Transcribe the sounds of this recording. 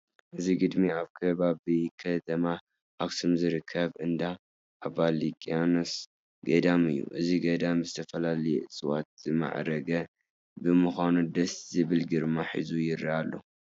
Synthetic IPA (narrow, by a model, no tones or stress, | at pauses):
ʔɨziɡɨd̪miaβkʰɐβaβikʰɐt̪ʰɐma | ʔaβsumzɨɾɨkʰːɐβʔɨnd̪a | ʔaβalikʼianos | ɡɐd̪amɨjːṵʔɨziɡɐd̪amzɨt̪ʰɐfɐlalɐjɛʔɨsɨwa̰t̪̚z̥ɨma̰ʕɾɐɡɐ | bɨmɨxʷanud̪ɐszɨβɨlɡɨɾmaħḭzujɪɾiʔalːo̰